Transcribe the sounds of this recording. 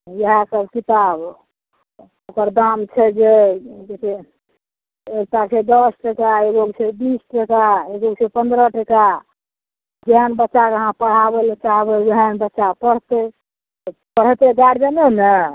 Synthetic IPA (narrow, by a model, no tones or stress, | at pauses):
jəɦãsəbkit̪ab | okəɾd̪amt͡ʃʰɛd͡ʒed͡ʒesʰe | ek̚ʈased̪ɔsʈəkaeɡoɡsebisʈəkaeɡoɡsepənd̪ɾəʈəka | d͡ʒeɦənbətːʃakeəɦãpəɽ̤abelet͡ʃaɦbed͡ʒeɦənbətːʃapəɽ̤t̪ɛ | pəɽ̤t̪eɡaɽbenenə